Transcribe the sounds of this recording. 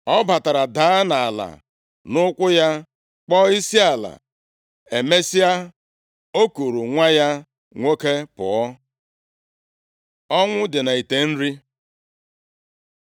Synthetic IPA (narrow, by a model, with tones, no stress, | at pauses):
ɔ˦ba˨ta˨ɾa˨daː˨˦a˦na˨a˨la̰˨ | nʊ˦kʷʊ˦ja˦ | k͡pɔ˦i˦si˦a˨la̰˨ | e˨me˦si˦a˦ | o˦ku˨ɾu˨ŋʷa˦ja˦ | ŋʷo˦ke˦pʊ̰˨ɔ˦ | ɔ˦ŋʷʊ˦dɪ˨na˨i˨te˨n̩˦ɾi˦